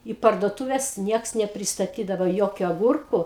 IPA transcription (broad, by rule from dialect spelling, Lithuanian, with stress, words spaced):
iː pɐrduɔˈtʊʋʲɛs ˈnʲiɛks nʲɛpʲrʲɪstɐˈtʲiːdɐʋɐ ˈjoːkʲʊ ɐˈɡʊrkʊ